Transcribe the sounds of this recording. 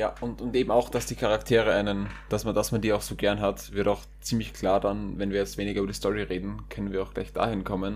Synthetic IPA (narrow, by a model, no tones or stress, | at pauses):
jaːʊntʊntʔeːbm̩aʊxd̥asd̥iːkʰaʁaktʰeːʁəʔaɪnənd̥asmadasmandiːaʊxsoːɡɛɐnɦatvɪɐtaʊx | t͡siːmlɪçkʰl̥aːɐdanvɛnviːɐjɛt͡stv̥eːnɪɡɐybɐədiːstɔʁiʁeːdn̩kʰœnənviːɐaʊxɡ̥la̰ɪçd̥a̰ːhɪnkʰɔmən